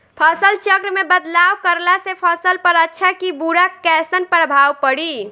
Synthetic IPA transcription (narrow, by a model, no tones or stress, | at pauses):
pʰəsəlt͡ʃəkɾəmebəd̪lawkəɾlasepʰəsəlpəɾətːʃʰakibuɾakɛsənpɾəbʱawpəɽi